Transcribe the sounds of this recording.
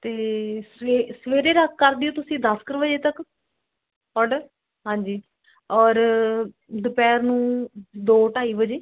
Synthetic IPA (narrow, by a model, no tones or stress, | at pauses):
t̪eːseːsʋeːɾeːɾəkːəɾd̪ɪoːt̪ʊsĩːd̪əskəɾbəd͡ʒeːt̪ək | ɔːɖə | ɦãːɲd͡ʒiː | ɔːɾ | d̪ʊpɛːɾnũːd̪oːʈaːiːbəd͡ʒeː